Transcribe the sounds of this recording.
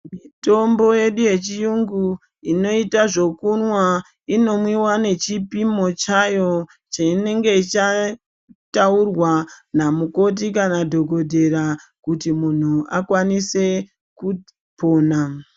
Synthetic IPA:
mito̞mbo̞je̞ɗuje̞t͡ʃijuŋɡu | ino̞itaʐo̞kunwa | ino̞mwiwane̞t͡ʃipimo̞t͡ʃajo̞ | t͡ʃaine̞ŋɡe̞it͡ʃa | taurwanamuko̞t̬ikanadʱo̞ɡʱo̞dʱe̞ra | kutimun̤uakwanise̞ | ku | po̞ːna

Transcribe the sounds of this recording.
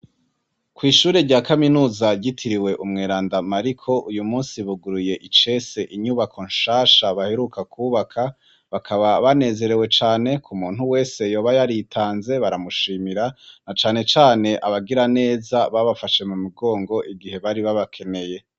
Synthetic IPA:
kwiːʃuːɾeɾɟaːkaminuːzaɟitʰiɾiwe̞ʔumŋeːɾaːndamaɾikʰo̞ʔujumuːnsiβuɡuɾuje̞ʔit͡ʃe̞se̞ʔiɲuβakʰo̞nʃaːʃaβaheɾukakʰuːβakʰa | βakʰaβaβane̞ːze̞ɾe̞we̞t͡ʃaːne̞kʰumuːn̥huwe̞ːse̞jo̞ːβajaɾitʰaːnze̞βaɾamuʃiːmiɾanat͡ʃaːne̞t͡ʃaːne̞ʔaβaɡiɾane̞ːzaβaβafaʃe̞mumuɡo̞ːŋɡo̞ʔiɡihe̞βaɾiβaβakʰe̞ne̞je̞

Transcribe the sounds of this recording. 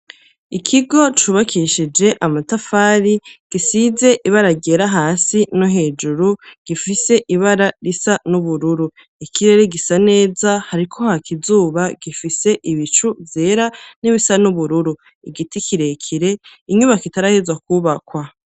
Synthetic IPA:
ikʰiɡo̞t͡ʃuβakʰiʃid͡ʒe̞ʔamatafaːɾiɡ̥isize̞ʔiβaɾaɾɟeːɾaɦaːsinuɦe̞ːd͡ʒuɾuɡ̥ifise̞ʔiβaɾaɾisanuβuɾuɾu | ikʰiɾe̞ɾeɡisane̞ːzahaɾikʰo̞hakʰizuːβaɡ̥ifise̞ʔiβit͡ʃuvje̞ːɾaniβisanuβuɾuɾu | iɡitikʰiɾe̞kʰiɾe̞iɲuβakitaɾahezwakuːβakwa

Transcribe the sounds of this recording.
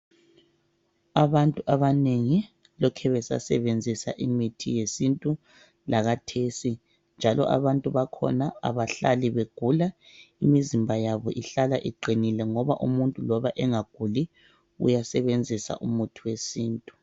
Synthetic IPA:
aβantʼuʔaβaneŋi | lɔkʰɛβɛsa̰sɛβend͡zʱisa̰ʔimitʰḭjesintʼu | laɣatʰesi | nd͡ʒʱalɔ̰ʔa̰βantʼuβakʰɔ̰naa̰βaɬaliβeɡ̥ʱula | imizimbʱajaβɔʔiɬalaʔiǃinilɛŋɔβa̰ʔumuntʼulɔβaʔɛŋaɡ̥ʱuli | ṵjasɛβend͡zʱisa̰ʔumutʰuwesiːntʼu

